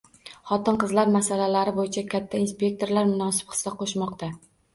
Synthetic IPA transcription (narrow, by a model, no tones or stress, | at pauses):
χɒt̪ɪnqɨzlaɾmasalalaɾɪbojɪt͡ʃʰakʰʲat̪ʰːainspʲe̞k̚t̪ʰo̞ɾlaɾmʊnɒsɪ̥pχɨ̥sːaqʰoʃmɒqt̪a